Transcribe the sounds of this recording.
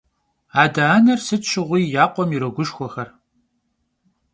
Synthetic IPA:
aːdaːnɐrsɨtt͡ʃʰɪʁʷiːjaːqʷʼɔmiɾɐɡʷʊʃxʷɔxɐr

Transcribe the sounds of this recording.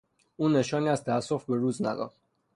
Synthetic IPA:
uːnːe̞ʃɒːniːæzt̪ʰææsːofbeɾuːznæ̰d̪ɒ̰ːd̪

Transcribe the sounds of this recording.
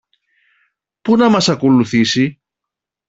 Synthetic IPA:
punɐmɐsɐkoluθisi

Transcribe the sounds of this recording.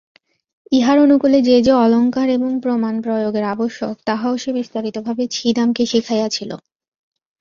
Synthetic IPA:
iɦaɾonukuled͡ʑed͡ʑeɔloŋkaɾeboŋpɾomanpɾojoɡeɾaboʃːokt̪aɦaoʃebist̪aɾit̪obʱabet͡ɕʰid̪amkeʃikʰajat͡ɕʰilo̰

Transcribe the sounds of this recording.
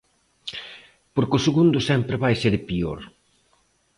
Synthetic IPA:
poɾkɪʊseɣund̪ʊsɛmpɾɪβajseɾpio̰ɾ

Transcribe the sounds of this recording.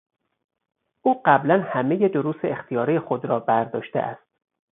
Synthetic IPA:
ʔuːɢæblænhæme̞je̞d̪oɾuːseext̪ʰijɒːɾijexod̪ɾɒːbæɾd̪ɒ̰ːʃt̪ḛʔæ̰st̪̚

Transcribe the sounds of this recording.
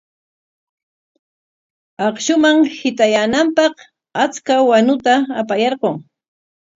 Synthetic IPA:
ɑχʃʊmaŋhɪt̪ajanampɑq | at͡skawanʊt̪aːpajɑɾɢoŋ

